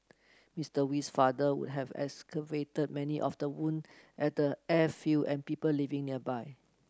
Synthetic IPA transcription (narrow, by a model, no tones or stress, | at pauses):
mistəwisfadəwṵd̚ɦɛvɛ̰skəvetəd̚mɛniʔɔfdəwũnʔɛt̚dəɛfiʔɛ̃npipəllivɪ̃ŋniəbaɪ